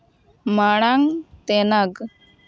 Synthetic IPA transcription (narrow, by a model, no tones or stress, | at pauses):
maɽ̃aŋt̪ɛnaɡ